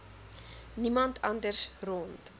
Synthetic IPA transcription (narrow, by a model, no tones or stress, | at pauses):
nimɐntɐndərsrɔnt